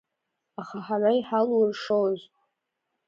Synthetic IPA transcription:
aχaħaraiħalrʂowz

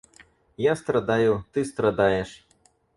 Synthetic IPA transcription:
jast̪ɾad̪ajut̪ɨst̪ɾad̪ajɛʂ

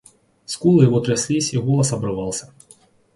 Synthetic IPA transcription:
skulˠɨjvɔt̪ɾʲasʲlʲisʲiɣɔlˠɐsɐbɾɨvɑlˠsʲɐ

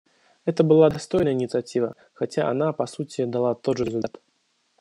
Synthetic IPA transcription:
ɛt̪əbɨlˠad̪ast̪ɔjnəjəinʲit̪sat͡sʲivɐ | xat͡sʲaʔa̰napasut͡sʲid̪alˠat̪ɔʐɾʲɪzulʲt̪at̪

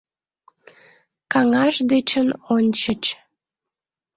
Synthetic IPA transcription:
kɑŋɑʃd̪et͡ɕənonʲt͡ɕət͡ɕ

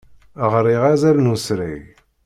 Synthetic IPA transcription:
əʁɾiʁæzælnusɾæ̰ʝ

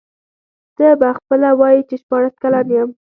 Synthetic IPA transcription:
d̪̥əbaxpəlawɑjit͡ʃeʃpɑɽaskalɑnjəm

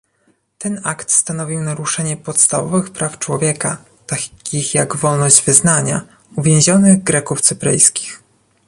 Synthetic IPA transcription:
t̪ɛnakt̪st̪anɔvʲiwnaɾuʂɛɲɛpɔt̪st̪avɔvɘxpɾʔaft͡ʂwɔvʲjɛka | t̪aixjaɡvɔlnɔʑd͡ʑvɘznaɲa̰ | uvʲẽw̃ʑɔnɘɣɡɾɛkuft̪sɘpɾɘ̰jskʲi̥x

